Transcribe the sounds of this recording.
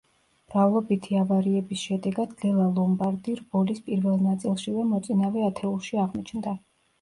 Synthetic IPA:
mɾavlˠɔbit̪ʰiavaɾiɛbisʃɛd̪ɛɡad̪̥ɡɛlˠalˠɔmbaɾd̪iɾbɔlispʼiɾvɛlˠnat̪sʼilˠʃivɛmɔt̪sʼinavɛat̪ʰɛulˠʃiaʁmit͡ʃʰnd̪a

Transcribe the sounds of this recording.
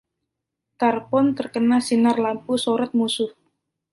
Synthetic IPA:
t̪arpɔnt̪ərkənasinarlampusoɾət̪̚musʊf

